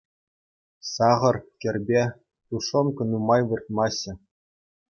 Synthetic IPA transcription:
sɑʁɤ̆rkʲɘ̆rʲbʲe | t̪uʂomkɤ̆numɑjʋɯrt̪̚mɑɕːɘ̆

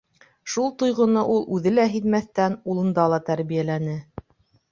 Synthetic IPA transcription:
ʃulˠt̪ŏjʁŏnɤʔulˠʔʉðɘlæɦiðmæθt̪ænulˠɤ̆nd̪ɑlˠɑt̪æɾβijælænɘ

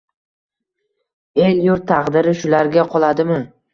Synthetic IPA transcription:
eljʊɾt̪ʰɑqd̪ɪɾɪʃʊlaɾɡʲaqʰɒlˠad̪ɪmɪ

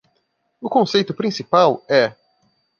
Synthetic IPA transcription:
ʊkõsejt̪ʊpɾĩsipawɛ

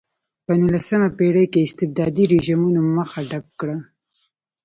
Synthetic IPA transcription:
pənulasəmapeɽekeɪst̪ɪb̚d̪ɑd̪iɾeʒimunaməxaɖap̚kɽa

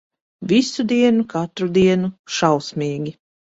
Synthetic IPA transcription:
visud̪iɛnukat̪ɾud̪iɛnuʃawsmiːɡʲi

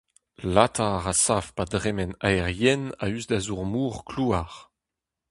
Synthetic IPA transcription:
latʰaʁasafpadʁɛmɛnaɛʁjɛna̰yzdazuʁmuːʁkluaʁ

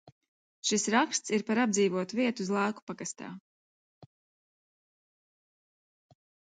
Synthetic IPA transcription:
ʃisɾakst̪siɾpaɾab̚d̪ziːvuɔt̪uviɛt̪uzlˠaːku̥paɡast̪a̰ː

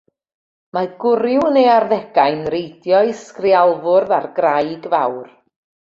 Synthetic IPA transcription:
maɡʊɾjwənejarðɛɡ̥ajnrejdjɔiskrialˠvʊrðarɡrajɡvawr

